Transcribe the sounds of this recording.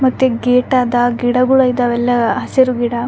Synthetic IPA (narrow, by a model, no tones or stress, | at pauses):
mɐt̪ːeɡeːʈaːd̪ɐɡiɽɐɡuɭɐjid̪ɐʋɛlːɐɦɐsɐɾuɡiɽɐ